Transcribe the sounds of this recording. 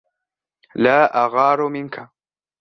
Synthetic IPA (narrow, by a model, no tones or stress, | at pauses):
laːʔaɣɑːɾʊmɪŋkʰa